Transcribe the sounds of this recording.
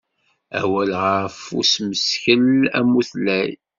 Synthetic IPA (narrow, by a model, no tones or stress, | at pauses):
æ̰wælʁəɾfṵsməsçəlæ̰mːuθlæj